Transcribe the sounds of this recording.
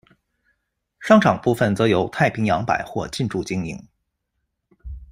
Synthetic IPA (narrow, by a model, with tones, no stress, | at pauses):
ʂɑ˥˧ŋʈ͡ʂʰɑ˨˩ŋpu˥˧fə˥˩nt͡sɤ˧˥jo˧˥ʊt̪ʰa˥˩ɪpʰi˧˥ŋjɑ˧˥ŋpa̰˨˩ɪxwɔ˥˧t͡ɕi˥˧nʈ͡ʂu˥˩t͡ɕi˥ŋḭ˧˩ŋ